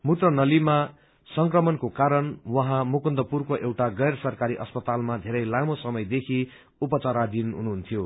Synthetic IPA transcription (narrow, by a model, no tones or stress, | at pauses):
mut̪rʌnʌlima | sʌŋkrʌmʌnkokaɾʌnwʌɦãmukund̪ʌpurkoʔewʈaɡʌjrsʌrkaɾiʔʌspʌt̪almad̪ʱeɾʌjlamosʌmʌjd̪ekʰi | upʌt͡saɾad̪inɦṵnuɦunt̪ʰijo